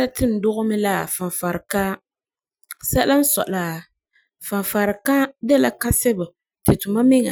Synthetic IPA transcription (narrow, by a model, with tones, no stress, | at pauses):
a˦tɪ˦n̩˨dʊ˦ɣʊ˦mɪ˦la˦˨fa˨fa˨ɾka˦ | sa˦la˦n̩˦sɔ̰˨ʔlaː˨ | fa˨fa˨ɾka˦dɛ˦la˨ka˦sɛ˦bʊ˨ | tɪ˨tu˨ma˦mɪ˦ŋa̰˨